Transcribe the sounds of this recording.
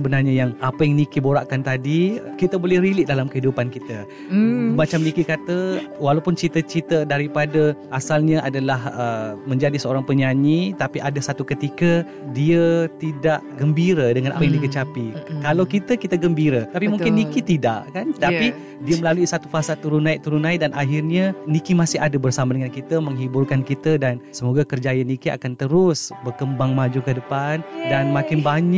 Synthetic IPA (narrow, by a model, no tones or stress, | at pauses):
səbənarɲajaŋapajaŋnikiboɾaʔkant̪adikit̪əbolɛhɾilɪʔ̚dalamkəɦidupankit̪ə | bat͡ʃamnikikat̪əwalawpʊnt͡ʃit̪ət͡ʃit̪ədaɾipadə | asalɲãʔadalaɦəmə̃ɲd͡ʒadisəoɾaŋpəɲaɲit̪apiʔadasat̪ukət̪ikə | diət̪idaʔɡəmbiɾədəŋanʔa̰pajaŋdikət͡ʃapikalawkit̪əkit̪əɡəmbiɾət̪apimuŋkɪnːikit̪idaʔkant̪api | diəməlaluisat̪ufasat̪uɾunaiʔt̪uɾunaidanʔaɦirɲanikimasɪɦadabərsamadəŋankit̪əməŋɦibʊrkankit̪ədansəmoɡakərd͡ʒajənikia̰kant̪əɾʊsbərkəmbaŋmad͡ʒukədəpandanmãkɪnbaɲ